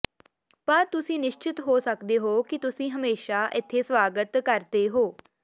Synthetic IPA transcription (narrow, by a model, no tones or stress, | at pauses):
pəɾt̪ʊsĩːnɪʃt͡ʃɪt̪ɦoːsəkd̪eːɦoːkɪt̪ʊsĩːɦəmeːʃaːʔɪt̪ʰːeːsʋaːɡət̪kəɾd̪eːɦoː